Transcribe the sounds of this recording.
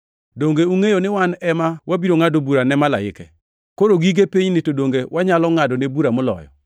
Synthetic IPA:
doŋɡeuŋejonɪwanɛmawabiɾoŋadobuɾanɛmala̰ɪ̰kɛ̰ | koɾoɡiɡepiɲnetodoŋɡewaɲalɔŋadɔnebuɾamɔlɔ̰jɔ̰

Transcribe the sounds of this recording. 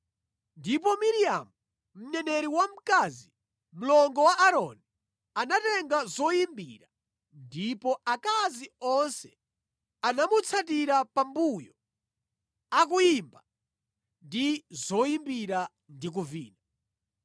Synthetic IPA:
ndip̬ɔmiɾia̰mu | m̩ɲɛnɛɾiwam̩kazi | m̩lɔŋɡɔwaʔaɾɔ̰ni | anatɛŋɡazɔjimbḭɾa | ndipɔakaziɔnsɛ | anamut͡sʰatiɾapambujɔ | akujimba | ndizɔjimbiɾa | ndik̬uviːna

